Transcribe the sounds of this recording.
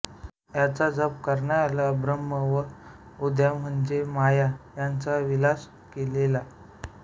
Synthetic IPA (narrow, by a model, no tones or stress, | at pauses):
jat͡sad͡zəp̚kəɾɳaɾalabɾəmːəʋə | ud̪jam̤əɳd͡ʑemajajant͡saʋilas | kelela